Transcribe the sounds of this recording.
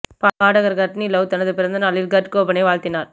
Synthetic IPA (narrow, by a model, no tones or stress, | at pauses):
paːaːɽɐɣɐɾɡɐʈnilɐwt̪ɐnɐðɯpɪɾɐnd̪ɐnaːlɪlɡɐʈkoːbɐnɐɪʋaːɭt̪ɪnaːɾ